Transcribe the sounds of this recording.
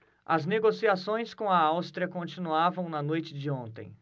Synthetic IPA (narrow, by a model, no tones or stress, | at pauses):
ɐ̰zneɡosiasõj̃skõw̃ɐawst̪ɾiɐkõnt͡ʃinuavɐ̃w̃nɐnojt͡ʃɪd͡ʒɪõnt̪ḛ̃j̃